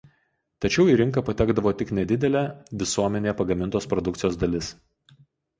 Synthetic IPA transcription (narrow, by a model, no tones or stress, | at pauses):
t̪ɐt͡ʃʲɛʊiːɾʲɪŋkɐːˑpɐt̪ʲæːɡd̪ɐʋoːt̪ʲɪknʲɛd̪ʲɪd̪ʲɛlʲæʋʲɪsuɔmʲɛnʲeːpɐɡɐmʲɪnt̪oːspɾɔd̪ʊkt̪sɪjoːsd̪ɐlʲɪs